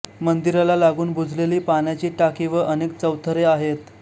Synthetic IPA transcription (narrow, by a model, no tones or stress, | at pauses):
mənd̪iɾalalaɡuːnbʱud͡zʱleliːpanjat͡ɕiːʈakiːʋəʔənekt͡səwt̪ʰəɾeaɦet̪